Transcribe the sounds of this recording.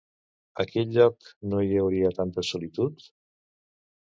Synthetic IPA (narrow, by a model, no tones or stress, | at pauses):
əkɛʎʎɔknoiəwɾiət̪ant̪əsulit̪ut̪